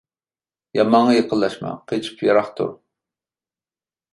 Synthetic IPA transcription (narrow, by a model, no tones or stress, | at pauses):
jɑmɑŋːɑjəqʰəlˠːɑʃmɑ̰qʰet͡ʃʰi̥pʰjɑɾɑχt̪ṵ